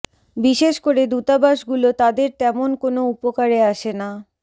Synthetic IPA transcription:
biʃeʃkoɾed̪ut̪abaʃɡulot̪ad̪eɾt̪ɛmonkonoupokaɾeaʃena

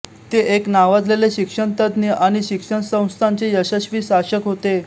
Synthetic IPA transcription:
t̪eʔeknaʋad͡zleleɕikʂəɳt̪əd̪niʔaɽ̃iɕikʂəɳsə̃w̃st̪ʰaɲt͡ɕejəɕəɕʋiːsaɕəkɦot̪e

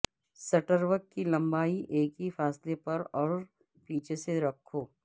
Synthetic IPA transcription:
sɐʈəɾʋəkːilɐ̃mbaːiʔeːkifaːslepɐɾɔːɾ | piːt͡ʃʰeseɾɐkʰːoː

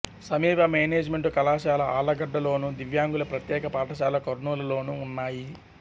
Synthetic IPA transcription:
sɐmiːbɐmeːneːd͡ʒmeɳʈukɐlaːʃaːlɐaːlɐɡɐɖːɐlo̞ːnud̪iʋjaːŋɡulɐpɾɐt̪jɛːkɐpaːʈɐʃ̬aːlɐkoɾnuːlɐlo̞ːnuːnːaːji

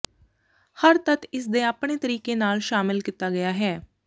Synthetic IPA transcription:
həɾt̪ət̪ɪs̬d̪eːaːpɳ̃eːt̪əɾiːkeːnaːlʃaːmɪlkit̪aːɡəjaːɦɛː

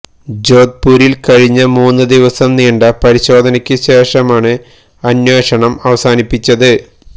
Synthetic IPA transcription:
d͡ʑo̞ːd̪̚puːɾilkɐɻiɲːɐmuːnːɨd̪iʋɐsɐmniːɳɖɐpɐɾiɕo̞ːd̪ʱɐnɐkʲːɨɕeːʂɐmaːɳɨ | ɐnweːʂɐɳɐmɐʋɐsaːnipːit͡ɕːɐðɨ

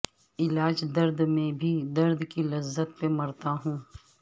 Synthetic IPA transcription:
ɪlaːd͡ʒd̪ɐɾd̪mẽbʱid̪ɐɾd̪kilɐzːət̪̚pemɐɾt̪aɦũː

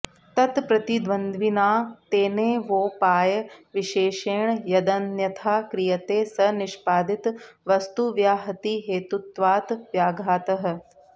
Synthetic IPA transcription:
t̪ɐt̪pɾɐt̪id̪ʋɐnd̪ʱʋinaːt̪eːneːʋoːpaːjɐʋiʃeːʃeːɳjɐd̪ɐnjɐt̪ʰaːkɾijɐt̪eːsɐnɪʃpaːd̪it̪ʋɐst̪uʋjaːɦɐt̪iɦeːt̪ut̪ʋaːt̪ʋjaːɡʱaːt̪ɐɦɐ̆

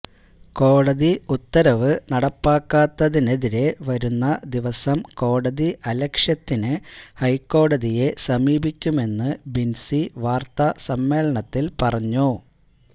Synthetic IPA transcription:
ko̞ːɽɐðiut̪ːɐɾɐʋɨnɐɽɐpːaːkːaːt̪ːɐðine̞ðiɾe̞ʋɐɾunːɐd̪iʋɐsɐmko̞ːɽɐðiʔɐlɐkʂjɐt̪ːinɨhɐjkːo̞ːɽɐðije̞sɐmiːbikʲːume̞nːɨbinsiʋaːrt̪ɐsɐmːe̞ːlɐɳɐt̪ːilpɐrɐɲːu

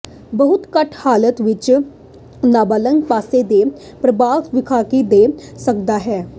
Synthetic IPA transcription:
bəɦʊt̪kəʈʰhaːlət̪ʋɪt͡ʃ | naːbaːlə̃ŋɡpaːsed̪eː | pɾəbaːkʋɪkʰaːkid̪eːsəkd̪aːɦɛː

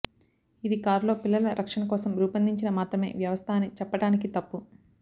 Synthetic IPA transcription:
id̪ikaːɾlo̞ːpilːɐlɐɾʔɐkʂɐnɐkɔːsɐmɾuːpɐnd̪iɲt͡ʃinɐmaːt̪ɾɐme̞̰ːʋjɐʋɐst̪ʰaːnːit͡ʃɛpːɐɽaːnikit̪ɐpːu

